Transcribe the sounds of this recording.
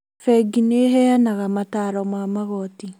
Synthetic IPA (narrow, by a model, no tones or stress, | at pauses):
fɛɡineɦɛanaɣamataɾɔmwaːmaɣɔti